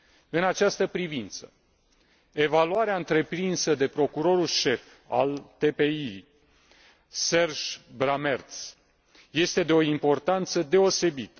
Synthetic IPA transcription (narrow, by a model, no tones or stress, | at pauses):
ɨnat͡ʃast̪əpɾivint̪sə̥ | e̞valuaɾeaɨnt̪ɾe̞pɾinsəd̪e̞pɾo̞kuɾo̞ɾulʃe̞f | a̰lt̪e̞pe̞i | se̞rʒbɾame̞rt̪s | je̞st̪e̞d̪e̞o̞impo̞rt̪ant̪səd̪e̞o̞se̞bit̪ə